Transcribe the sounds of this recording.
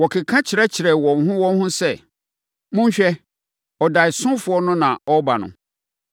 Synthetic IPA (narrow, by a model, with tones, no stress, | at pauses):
wɔ˨kʰɪ˨kʰã˦t͡ɕʰɪ˨ɾɛ˦t͡ɕʰɪ˨ɾɛ˨wɔ̃˨n̩˨ɦʊ̃˦wɔ̃˦n˦hʊ̃˦sɛ˦˨ | mʊ̃˦ɲ̩˦ɕᶣɛ˦ | ɔ˨da˨i˨sʊ̃˦fʊ˨˦ɔ˦nʊ̃˦nã˨ɔ˦ba˨nʊ̰̃˨